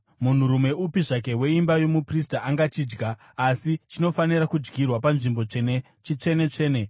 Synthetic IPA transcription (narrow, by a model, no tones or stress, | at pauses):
mun̤uɾume̞ʔupiʐak̬e̞we̞imbajo̞mupristaʔaŋɡat͡ʃiːd͡ʒɡaː | sit͡ʃino̞faniɾakud͡ʒɡirwapanʐimbo̞t͡ʂe̞ne | t͡ʃit͡ʂe̞ne̞t͡ʂe̞ːne̞